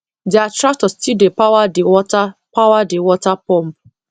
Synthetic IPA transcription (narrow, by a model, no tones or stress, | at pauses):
diatɾak̚tɔstidepawadeɔtapawadewɔtapɔm̩p